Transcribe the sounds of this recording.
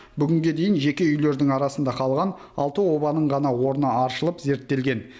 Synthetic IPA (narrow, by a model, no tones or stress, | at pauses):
bʏɡʲɪŋɡʲe̞d̪e̞jɪnʒe̞kʲe̞ʏjle̞ɾd̪ɪŋɑɾɑsənd̪ɑqʰɑlˠʁɑn | ɑ̰lˠt̪əwo̞bɑnəɴʁɑnɑwo̞ɾnəɑɾʃəlˠəpze̞ɾt̪ːe̞lɡʲe̞n